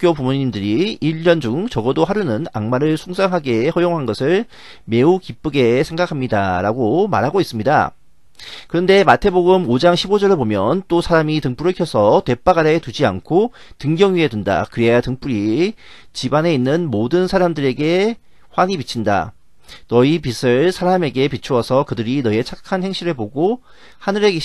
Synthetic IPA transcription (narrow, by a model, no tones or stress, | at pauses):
k͈jopumuɲindɯɾiiʎːʌnd͡ʑuŋt͡ɕʌɡʌdoɦaɾunɯna̰ŋmaɾɯɭsʰuŋs͈ʰaŋɦaɡe̞hʌjoŋɦanɡʌsʰɯɭ | me̞ukip͈ɯɡe̞sʰe̞ŋɡakʰamɲida̰ɾaɡoma̰ɾɦaɡois͈ɯmɲida̰ | kɯɾʌnde̞matʰe̞boɡɯmod͡ʑaŋɕʰibod͡ʑʌɾɯɭpomjʌnt͈osʰaɾamitɯŋp͈uɾɯɭkʰjʌsʰʌte̞p͈aɡaɾetud͡ʑia̰nkʰo | tɯŋɡjʌŋɥiɦedwunda̰kɯɾeajatɯŋp͈uɾi | t͡ɕibane̞inːɯnmodɯnsʰaɾamdɯɾe̞ɡe̞ | ɸwaɲipit͡ɕʰinda̰ | nʌipisʰɯɭsʰaɾame̞ɡe̞pit͡ɕʰuwʌsʰʌkɯdɯɾinʌie̞t͡ɕʰakkʰanhe̞ŋɕ͈ʰiɾɯɭpoɡo | hanɯɾe̞ke